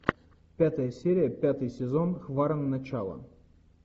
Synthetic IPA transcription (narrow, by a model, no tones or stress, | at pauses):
pʲat̪əjəsʲeɾʲɪjəpʲat̪ɨjsʲɪzo̞nxvaɾənːɐt͡ɕalˠə̰